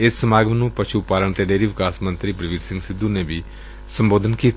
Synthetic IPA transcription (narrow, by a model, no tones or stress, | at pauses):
ɪsːəmaːɡəmnũːpəʃʰuːpaːləɳt̪eːɖeːɾiːʋɪkaːsmə̃nt̪ɾiːpɾɪʋiːd͡ʒsɪ̃ŋɡsɪd̪ũːneːbi | səmboːd̪ʱənkiːt̪